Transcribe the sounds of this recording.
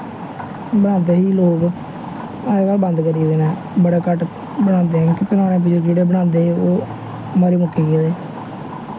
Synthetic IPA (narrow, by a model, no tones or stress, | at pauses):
bənãːnd̪eːɦiːloːk | aːkalbə̃nd̪kəɾiːd̪eːnɛː | bəɽaːkəʈ | bəɽãːnd̪eːɦɛ̃ːkɪpɪnãːnẽːp̬ɪd͡ʒːd͡ʒeːɽeːbəɽãːnd̪eːɦeoː | maːɾiːmʊkːiːkeːd̪eː